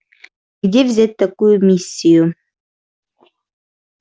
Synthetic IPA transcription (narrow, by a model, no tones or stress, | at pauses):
ɡ̥d̪ʲevzʲæt̪̚ʲt̪ːakujʊmʲisʲːiju